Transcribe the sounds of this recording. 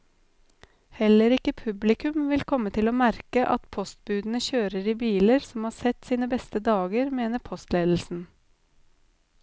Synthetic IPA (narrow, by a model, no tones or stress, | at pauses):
hɛləɾɪkəpʰʉblɪkʉmʋɪlkʰɔmət̪ʰɪloːmæɾkəʔɑt̪pʰɔst̪̚bʉːd̪n̩əçøːɾəɾiːbiːləɾsɔmhɑːɾsɛt̪siːnəbɛst̪əd̪ɑːɡəɾmeːnəpʰɔst̪leːd̪l̩sn̩